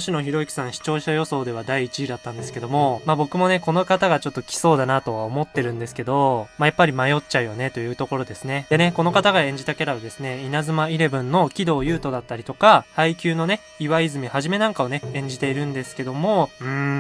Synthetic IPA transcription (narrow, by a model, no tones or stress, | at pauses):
ɕino̞çiɾo̞ikʲi̥sãɰ̃ɕi̥t͡ɕo̞ːɕajo̞so̞ːd̪e̞β̞ad̪aiːt͡ɕiid̪at̪ːãnd̪e̞sɨ̥ke̞d̪o̞mo̞maːbo̞kɯ̟mo̞ne̞ko̞no̞kat̪aɡat͡ɕo̞t̪ːokʲi̥so̞ːd̪anat̪o̞βaomo̞t̪ːe̞ɾɯ̟̃nd̪e̞sɨ̥ke̞d̪o̞majapːaɾʲimajo̞tt͡ɕaɯ̟jone̞t̪o̞jɯ̟ːt̪o̞ko̞ɾo̞d̪e̞sɨne̞d̪e̞ne̞ko̞no̞kat̪aɡaẽ̞ɲ̟d͡ʑit̪akʲeɾaβad̪e̞sɨne̞inazɨmaiɾe̞bɯ̟̃nːo̞kʲid̪o̞ːjɯ̟ːt̪o̞d̪at̪ːaɾʲit̪o̞kahaikʲɨːno̞ne̞ | iβaizɨmʲihaʑime̞nãŋkao̞ne̞ẽ̞ɲ̟d͡ʑit̪e̞iɾɯ̟̃nd̪e̞sɨ̥ke̞d̪o̞mo̞ɯ̟̃